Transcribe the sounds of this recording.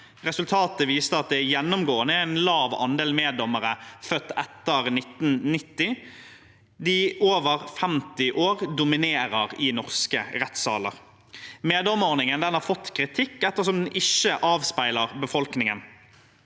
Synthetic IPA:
ʁɛsʉlt̪ʰɑːt̪əʋiːst̪əɑt̪̚d̪ɛjɛnːɔmɡoːənəæɪnlɑːʋɑ̰nd̪eːlmeːd̪ɔməʁəfœt̪ːɛt̪ːəʁnɪt̪n̩nɪt̪ːɪ | d̪ɪʔoːʋəʁfɛmt̪ɪʔoːʁd̪ʊmɪneːɾəʁɪnɔʁskəʁɛt̪sɑ̰ːlə̰ʁ | meːd̪ɔmɔʁnɪŋənd̪ɛnhɑːʁfɔt̪ːkʰʁɪt̪ʰɪkːɛt̪ːəʁsɔmd̪nɪʃəʔɑːʋspæɪləʁbəfɔlknɪŋən

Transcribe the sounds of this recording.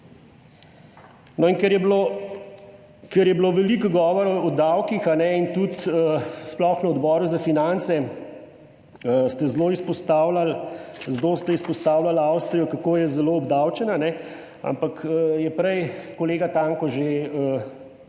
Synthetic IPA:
nɔinkɛɾjɛblo | kɛɾjɛbloʋɛlikɡɔːʋɔɾɔd̪awkixanɛint̪ut̪əsplɔxnɐɔd̪bɔːɾuzafinant̪sɛ | əst̪ɛzloːispɔst̪aːwlalzlost̪ɛispɔst̪aːwlalawst̪ɾijɔkakoːjɛzɛloɔbd̪awt͡ʃɛnanɛ | a̰mpakəjɛpɾɛjkɔleːɡat̪aːŋkɔʒeə

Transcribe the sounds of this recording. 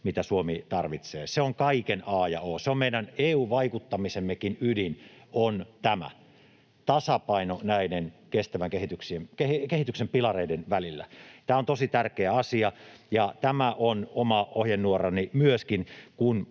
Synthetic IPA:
mit̪æsuomit̪ɑrʋit̪sḛːseoŋkɑikenɑːjɑ̰oːseommeidɑneːuːʋɑikut̪ːɑmisemːekinydinont̪æmæ̰ | t̪ɑsɑpɑinonæidenkest̪æʋæŋkehit̪yksiemkehikehit̪yksempilɑreidenʋælilːæ̰t̪æːont̪osit̪ærkeæɑsiɑjɑt̪æmæʔonomɑohjenːuorɑnimyøskinkun

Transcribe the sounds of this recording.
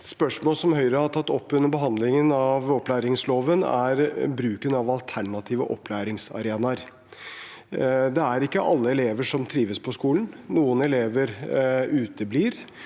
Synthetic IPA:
spœʂmoːlsɔmhœʏɾəhɑʈʰɑt̪ːɔpːʉnːəɾbəɦɑnd̪lɪŋənɑʋɔpːlæːɾɪŋsloːʋənæ̰ɾbɾʉːkənɑʋɑlt̪ʰæɳɑt̪ʰiːʋəʔɔpːlæːɾɪŋsɑ̰ɾeːnɑɾ | d̪ɛæɾɪkːəʔɑlːəɛleːʋəʂɔmt̪ʰɾiːʋəspʰɔskuːln̩nuːənɛleːʋəɾʉːt̪əbliːɾ

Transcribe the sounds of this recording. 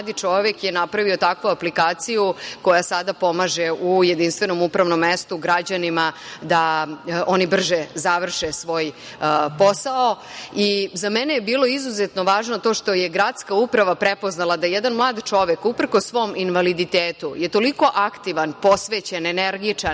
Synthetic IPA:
ad̪it͡ʂo̞ʋekje̞napɾaʋio̞t̪akʋuaplikaːt̪sijuko̞jasad̪apo̞maʒeʔuje̞d̪inst̪ʋeno̞mupɾaʋno̞mːest̪uɡɾad͡ʑanimad̪aʔo̞nibr̩ʒezaʋr̩ʃesʋo̞ːj | po̞sao | izamɛnejebiːlo̞izuzet̪no̞ʋaːʒnot̪o̞ʂt̪o̞jeɡɾad̪skaupɾaʋapɾepo̞znalˠad̪ajjɛd̪anmlˠaːd̪t͡ʂo̞ʋekupr̩kosːʋo̞minʋalid̪it̪eːt̪uje̞t̪o̞liko̞ʔakt̪iʋanpo̞sʋeːt͡ɕeneneɾɡit͡ʂan

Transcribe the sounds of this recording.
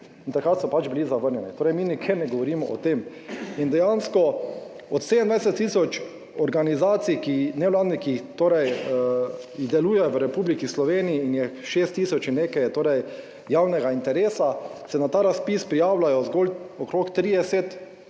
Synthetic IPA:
int̪akɾat̪sɔpad͡ʒbilizaʋəɾnʲjɛnit̪oːɾɛjminikʰenɛɡɔʋɔɾimɔ̰ʔɔ̰t̪em | ind̪ɛjanskɔ | ɔt̪sed̪ɛnd̪ʋajsɛt̪ːiːsɔt͡ʃ | ɔɾɡanizaːt̪sikinɛwlaːd̪nikixt̪oːɾɛj | jiɣd̪ɛluːjɛjɔʋəɾɛpuːblikislɔʋeːnijiːnjɛʃeːst̪ːiːsɔt͡ʃinːeːkɛjt̪oːɾɛj | jaːwnɛɡaint̪ɛɾeːsasɛnat̪aːɾaspispɾijaːwlajɔzɡoːlɔkɾokt̪ɾiːd̪ɛset̪

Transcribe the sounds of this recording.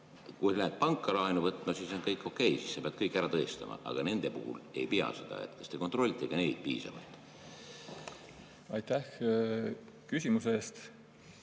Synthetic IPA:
kujlæet̪̚pɑŋkːˑɑlɑjnuvɤt̪ːˑmɑsiso̞nkɤjkːˑo̞kːˑe̞jsisːɑpeɑd̥̪̚kɤjkːˑæɾɑt̪ɤːst̪ɑmɑ̰ʔɑ̰ɡ̥ɑne̞nd̪̥e̞puhṵle̞jpiɑ̰se̞d̪̥ɑ̰e̞̰t̪kɑ̥st̪e̞ko̞nt̪ro̞lʲːit̪ːˑeɡ̥ɑne̞jd̪̥̚piːsɑ̰vɑ̰jd̪̥ | ɑjt̪æh | kysʲimuseeːst̪

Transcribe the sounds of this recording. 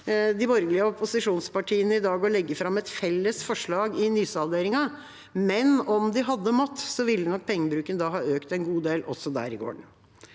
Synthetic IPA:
d̪ɪbɔɾɡlɪəɔpʰʊsɪʂuːnspɑʈʰiːənəɪd̪ɑːɡɔɭɛɡːəfɾɑmːɛt̪fɛlːəsfɔʂɭɑːɡɪnyːsɑʋd̪eːɾɪŋɑ | mɛnɔmd̪ɪɦɑd̪ːəmɔt̪ːsɔʋɪlːənɔk̚ːpʰɛŋːəbɾʉːkənəd̪ɑːɦɑːøːkt̪ɛnɡuːd̪eːlʔɔsːɔd̪æ̰ːɾɪɡo̰ːɳ

